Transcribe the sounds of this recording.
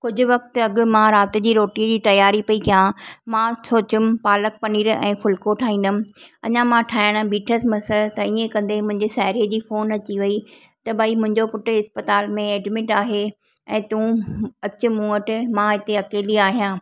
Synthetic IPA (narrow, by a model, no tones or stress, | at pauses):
kʊd͡ʑʱʊ̆ʋɐkt̪ɪɐɠʊ̆mãɾaːt̪ɪ̆d͡ʑiːɾoːʈiəd͡ʑiːt̪ɐjaːɾipɐikʰijãmãsoːt͡ɕʊmɪ̆paːlək̚pɐniːɾɛ̰̃ːfʊlkoʈʰaːɦĩːn̆d̪ʊmɪ̆ɐ̰ɲãmãʈʰaːɪɽ̃̆biːʈʰəsmɐsət̪ɐiẽkɐ̃nd̪emʊ̃ɦɪ̃ɲd͡ʑesaːɦɪɾiːəd͡ʑiːfoːnɐt͡ɕiʋɐi | t̪ɐbʱaːimʊ̃ɦɪ̃ɲd͡ʑopʊʈɪ̆ɦɪspət̪aːlmẽeːɖmɪʈaːɦe | ɛ̃ːt̪ũːɐt͡ɕʊ̆mũːəʈɪmãɪt̪eɐkeːliaːɦijãː